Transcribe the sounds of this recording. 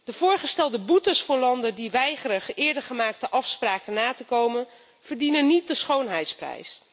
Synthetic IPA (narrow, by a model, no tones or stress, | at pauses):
d̥əv̥ʊːɹχəstɛlˠdəbutəsfʊːɹlɑndədiʋɛjχərəχɪːɹdəɹχəmaːk̚təʔɑfspraːkənaːtəkowmən | v̥əɹdinənit̚dəsχownɦɛjtsprɛ̰js